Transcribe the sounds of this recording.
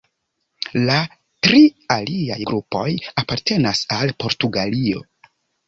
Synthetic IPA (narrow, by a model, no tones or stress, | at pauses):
la | tɾialia̰jɡɾupo̞japaɾte̞nasalpo̞ɾtuɡalio̞̰